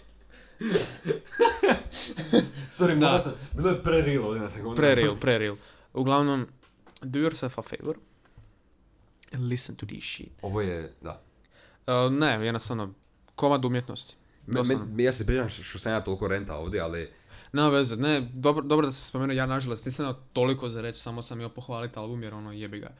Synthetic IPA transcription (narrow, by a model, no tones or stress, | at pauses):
soɾimnaasambiːlˠojepɾeɾilˠoʋd̪ʲenasekunpɾeɾilˠpɾeɾilˠ | uɡlˠaʋnom | d̪ujoɾsɛfafḛjʋoɾ | ɛnlisənt̪ud̪ḭʃḭt̪oʋojed̪a̰ | ənejenost̪aʋno | komad̪umjet̪nost̪i̥ | d̪onjaːsep̬ɾiːt͡ʃamʃt̪osamjaːt̪o̞lˠikoɾent̪a̰oːʋd̪jeali | neʋezened̪obɾod̪obɾod̪ase̥spomeːnujjaːnaʒalˠost̪niːsamjeat̪olikozaɾet͡ʃsamosamjiopoxʋaːlit̪alˠbumjɛɾo̞nojebiɡa̰